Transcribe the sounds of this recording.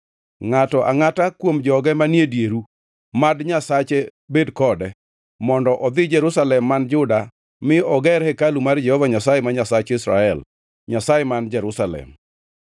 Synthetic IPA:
ŋatɔʔaŋatakwomd͡ʒɔɡɛmanjedjeɾu | madɲasat͡ʃebedkɔdɛ | mɔndɔʔɔd̪ɪd͡ʒɛɾʊsalɛmːand͡ʒʊda | mɪɔɡɛɾhɛkalumard͡ʒɛhɔvaɲasajɛmaɲasat͡ʃɪsɾa̰ɛl | ɲasajɛmand͡ʒɛɾʊsalɛ̰m

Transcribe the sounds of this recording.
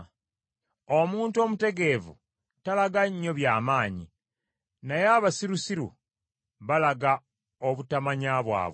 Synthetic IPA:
omuːntuo̞mute̞ɡe̞vṵ | talaɡaɲːo̞βjaːmaːɲḭ | najeaβasiɾusiɾṵ | βalaɡa | oβutamaɲaːβwa̰ːβw

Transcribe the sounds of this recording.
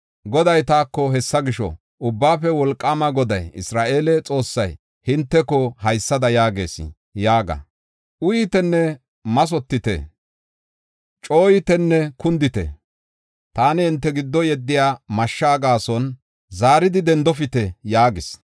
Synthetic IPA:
ɡɔd̪ɐjt̪aːkːɔɦɛsːɐɡɪʃɔ̰ | ʔʊbːaːfɛwɔlkʼːaːmɐɡɔd̪ɐjɪsɾaːʔe̞ːlɛt͡sʼo̞ːsːɐj | hɪnt̪ːɛkɔhɐjsːɐd̪ɐjaːɡe̞ːsɪ̰ | jaːɡɐ̰ | ʔʊjɪt̪ɛnːɛ | mɐs̬ɔt̪ːɪt̪ɛ̰ | t͡ʃʼo̞ːjɪt̪ɛnːɛkʊnd̪ɪt̪ɛ̰ | t̪aːnɪɪnt̪ːɛɡɪd̪ːɔjɛd̪ːɪjaːmɐʃːaːɡaːsɔn | zaːɾɪd̪ɪd̪ɛnd̪ɔfɪt̪ɛjaːɡɪs

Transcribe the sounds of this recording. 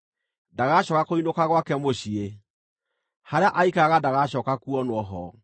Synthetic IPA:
daɣaɕɔkakoinokaɣwakɛmoɕie | haɾeaʔaikaɣadaɣaɕɔkakuɔnwɔɦɔ

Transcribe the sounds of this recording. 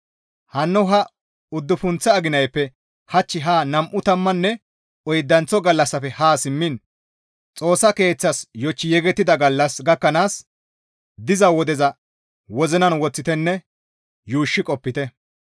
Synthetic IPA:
hɐnːɔɦɐ | ʊd̪ːʊfʊnt͡sːɛɐɡɪnɐjpːɛ | hɐt͡ʃːɪɦaːnɐmʔʊt̪ɐmːɐnːɛ | ɔjd̪ːɐnt͡sɔɡɐlːɐsːɐfɛhaːsɪmːɪn | t͡sʼo̞ːsːɐke̞ːt͡sːɐsjɔt͡ʃːɪjɛɡɛt̪ːɪd̪ɐɡɐlːɐsɡɐkːɐnaːs | d̪ɪzɐwɔd̪ɛzɐ | wɔzɛnɐnwɔt͡sːɪt̪ɛnːɛ | juːʃːɪkʼɔpːɪt̪ɛ

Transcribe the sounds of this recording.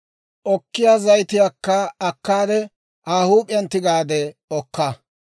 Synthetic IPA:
ʔɔkːɪjaːzɐjt̪ɪjaːkːɐɐkːaːd̪ɛ | ʔaːhuːpʼɪjɐnt̪ːɪɡaːd̪ɛɔkːɐ

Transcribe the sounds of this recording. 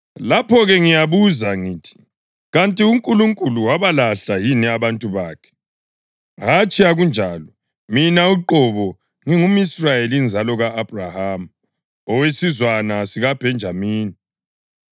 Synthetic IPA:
lapʰɔɣɛŋijaβuzaŋiːtʰi̥ | ɣantʼiuŋkʼuluŋkʼuluwaβalaɬajinɛaβantʼuβaːkʰɛ̥ | ɦat͡ʃʰʼiaɣund͡ʒʱaːlɔ | minauǃɔβɔ | ŋiŋumisrajelnd͡zʱalɔɣaːb̥ʱrahamu | ɔwesizwanasiɣab̥ʱɛnd͡ʒʱamiːni

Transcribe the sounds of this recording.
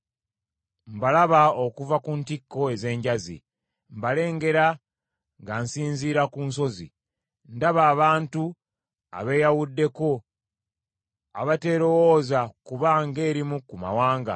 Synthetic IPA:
mbalaβao̞kuvakuntikːo̞e̞ze̞ːɲɟazḭ | mbale̞ːŋɡe̞ɾa | ŋɡansiːnziːɾakunso̞zḭ | ndaβaːβaːntu | a̰βe̞ːjawudːe̞ko̞ | a̰βate̞ːɾo̞woːzakuβaŋɡe̞ːɾimukuma̰waːŋɡa̰

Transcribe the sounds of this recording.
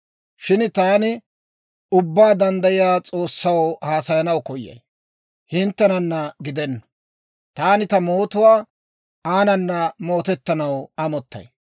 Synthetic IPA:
ʃɪnt̪aːnɪ | ʊbːaːd̪ɐnd̪ɐjɪjaːt͡sʼo̞ːsːɐwhaːsɐjɐnɐwkɔjːɐ̰j | hɪnt̪ːɛnɐnːɐɡɪd̪ɛnːɐ̥ | t̪aːnɪt̪ɐmoːt̪ʊwaː | aːnɐnːɐmo̞ːt̪ɛt̪ːɐnɐwɐmɔt̪ːɐ̰j

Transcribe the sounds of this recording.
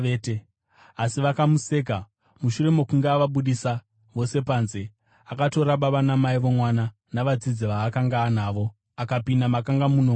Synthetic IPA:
ete | asiʋakamuse̞k̬a | muʃuɾe̞mo̞kuŋɡeːʋaɓuɗisa | ʋo̞se̞panze | akato̞ɾaɓaʋanamaiʋo̞mwana | naʋad͡zid͡ziʋaːkaŋɡaːnaːʋo̞ | akapindamakaŋɡamuno

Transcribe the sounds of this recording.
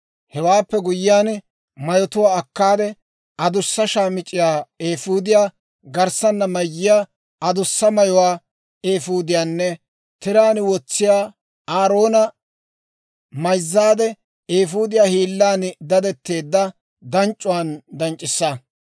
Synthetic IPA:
hɛwaːpːɛɡʊjɪjaːn | mɐjɔt̪ʊwaːɐkːaːd̪ɛ | ɐd̪ʊsːɐʃaːmɪt͡ʃʼːɪjaːeːfuːd̪ɪjaː | ɡɐɾsɐnːɐmɐjːɪjaː | ɐd̪ʊsːɐmɐjɔwaː | eːfuːd̪ɪjaːnːɛ | t̪ɪɾaːnwɔt͡sːɪjaː | aːɾo̞ːnɐ | mɐjzːaːd̪ɛ | eːfuːd̪ɪjaːhiːlːaːnd̪ɐd̪ɛt̪ːe̞ːd̪ːɐ | d̪ɐnt͡ʃʼːʊwaːnd̪ɐnt͡ʃʼːɪsːɐ

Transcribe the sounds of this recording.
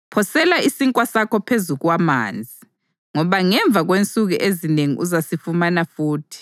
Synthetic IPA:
pʰɔsɛlaisiŋkʼwasakɔpʰezuɣwama̰ːnd͡zʱi | ŋɔβaŋɛɱb̪vʱaɣwent͡sʼuɣṵʔezineŋḭʔuzasifumanafuːtʰi̥

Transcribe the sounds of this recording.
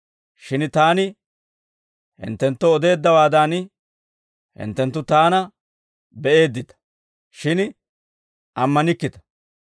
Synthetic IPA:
ʃɪnt̪aːnɪ | hɪ̰nt̪ːɛnt̪ːɔɔd̪e̞ːd̪ːɐwaːd̪aːn | hɪ̰nt̪ːɛnt̪ːʊt̪aːnɐ | bɛʔe̞ːd̪ːɪt̪ɐ̥ | ʃɪn | ʔɐmːɐnɪkːɪt̪ɐ̥

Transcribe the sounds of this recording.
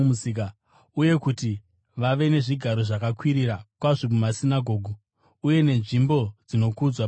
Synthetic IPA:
usika | uje̞kuti | ʋaʋe̞ne̞ʐiɡʱaɾo̞ʐakakwiɾirakwaʐimumasinaɡʱo̞ːɡʱo | uje̞ne̞nʐimbo̞d͡zino̞kud͡zwa

